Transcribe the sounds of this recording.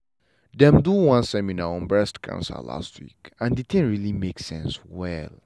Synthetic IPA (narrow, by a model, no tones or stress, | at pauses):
dɛ̃mduwãnsɛminaɔ̃nbɹɛstkʰã̰nsə̰la̰stʰwḭkãndidɛ̃nɹilimeksɛ̃nswɛl